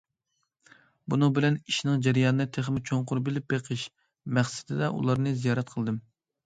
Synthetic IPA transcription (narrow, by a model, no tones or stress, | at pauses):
bunɨŋbɪlɛniʃinɨŋd͡ʒɛɾijɑːnnɨt̪ʰeχmɪt͡ʃʰoɴqʊɾbɪlɪp̚beqʰəʃ | mæχsɪ̥d̪ɪd̪ɛʔṵlˠɑɾnɨzijɑːɾɛt̪̚qʰəlˠd̪ɨm